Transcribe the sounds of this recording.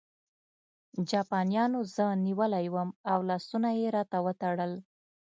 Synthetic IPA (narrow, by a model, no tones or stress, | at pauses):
d͡ʒɑpɑnijɑnozəniwəlajwəmawlɑsunajeɾɑt̪awət̪aɽəl